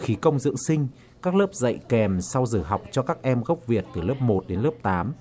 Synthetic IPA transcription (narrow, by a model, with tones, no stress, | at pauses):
xi˨˦kə˧wŋ͡mzɨ̰˧˨əŋsï˧ŋ̟ | kaː˦˥k̚ləː˦˥p̚zə̰˧˨jkɛ˨˩msa˧wzɨ˧˩ɦa˨˩wk͡p̚t͡ɕɔ˧kaː˦˥k̚ʔɛ˧mɣə˦˥wp̚vi˨˩ət̚t̪ɨ˨˩ləː˦˥p̚mo˨˩t̚ɗe˨˦nləː˦˥p̚t̪aː˨˦m